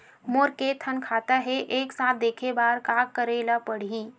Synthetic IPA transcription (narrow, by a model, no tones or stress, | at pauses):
moːɾket̪ʰənkʰaːt̪aɦeʔeːksaːt̪̚ʰd̪eːkʰebaːɾkaːkkːəɾelapəɽ̤iː